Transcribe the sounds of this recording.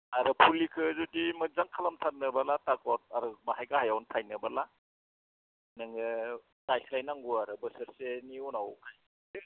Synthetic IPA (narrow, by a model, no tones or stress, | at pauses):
aɾɯpʰulikʰɯzudimɯzaŋkʰalamtʰat̚nɯbalatakɔt̚aɾɯmahajɡahajawntʰajnɯbala | nɯŋɯ | d̥ajslajnaŋɡuaɾɯbəsəɾseniunawkʰaj